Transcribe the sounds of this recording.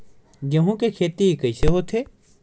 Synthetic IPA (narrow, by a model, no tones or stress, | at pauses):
jɐɦõkekʰeːt̪iɦikɐɪseɦoːt̪ʰeː